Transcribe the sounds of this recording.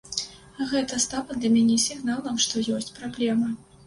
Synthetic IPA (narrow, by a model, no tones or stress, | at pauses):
ɣɛt̪ɐst̪avɐd̪lʲɐmʲanʲɛsʲiɣnalˠɐmʂt̪ɔjɔsʲt͡sʲpɾablʲɛmɐ